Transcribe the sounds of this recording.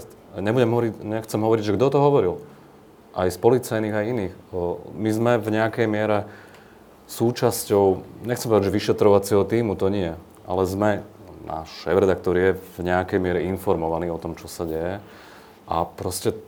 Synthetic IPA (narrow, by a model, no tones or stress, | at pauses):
ɲɛbuɟɛmɦɔʋɔɾicɲɛxt͡sɛmɦɔʋɔɾiɟʒɛɡd̪ɔt̪ɔɦɔʋɔɾil | ʔajspɔlit͡sajniːɣajiniːxmizmɛvɲɛakɛjmɪɛɾɛ | suːt͡ʃascɔʊɲɛxkt͡sɛmpɔʋɛd̪aɟd͡ʒʒɛʋiʃɛt̪ɾɔʋat͡sɛɦɔt̪iːmut̪ɔɲɪɛ | ʔa̰lɛzmɛna̰ːʃʃɛːvɾɛd̪ak̚t̪ɔɾjɛvɲɛakɛjmɪɛɾɛinfɔɾmɔʋaniːɔt̪ɔmt͡ʃɔsaɟɛjɛ | ʔapɾɔscɛ